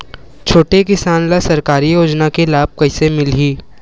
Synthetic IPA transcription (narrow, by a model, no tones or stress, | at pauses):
t͡ʃʰoːʈekɪsaːnlasɐɾkaːɾijoːd͡ʒnakelaːb̚kɐɪsemɪlɦiː